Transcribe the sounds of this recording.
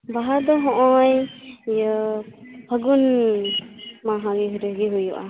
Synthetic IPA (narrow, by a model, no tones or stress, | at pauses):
baɦaɾd̪ɔɦɔ̃ʔɔjjɔ | b̥ʰʱəɡun | maɦãɡiɦuɾəɡiɦujɔʔa̰